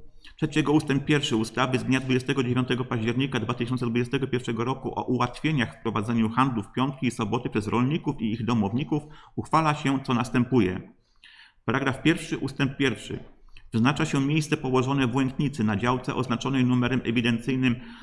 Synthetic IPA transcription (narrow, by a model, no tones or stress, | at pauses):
tʂɛt͡ɕɛɡɔust̪ɛmpːjɛɾfʂɘust̪avɘzd̪ɲad̪vud͡ʑɛst̪ɛɡɔd͡ʑevʲjɔ̃nt̪ɛɡɔpaʑd͡ʑɛɾɲikad̪vat̪ɘɪɕɔnt̪sɛd̪vud͡ʑɛst̪ɛɡɔpʲjɛɾfʂɛɡɔɾɔkuʔɔ̰ʔuwat̪fʲjeɲaxfpɾɔvad̪zɛɲuxand̪lufpʲjɔnt̪̚kʲiːsɔbɔt̪ɘpʂɛzɾɔlɲikufiiɣd̪ɔmɔvɲikufuxfalaɕɛt̪sɔnast̪ɛmpujɛ̰ | paɾaɡɾafpʲjɛɾfʂɘʔust̪ɛmp̚ːʲjɛɾfʂɘ̰vɘznat͡ʂaɕɛmʲjejssɛpɔwɔʐɔnɛvwɛŋkɲit̪sɘnad͡ʑawt̪sɛ̰ʔɔznat͡ʂɔnɛjnumɛɾɛmʔɛ̰vʲid̪ɛnt̪sɘjnɘm